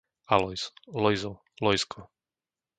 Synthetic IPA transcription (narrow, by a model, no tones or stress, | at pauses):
alɔjslɔjzɔ | lɔjskʰɔ